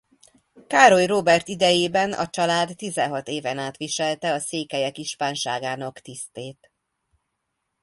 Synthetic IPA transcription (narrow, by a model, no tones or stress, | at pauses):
kaːɾo̞jroːbɛrt̪id̪ɛjeːbɛnɒ̰t͡ʃɒlaːd̪ːizɛɦɒt̪eːvɛnaːt̪ʋiʃɛlt̪ɛɒseːkɛjɛkiʃpaːnʃaːɡaːnɒkt̪ist̪eːt̪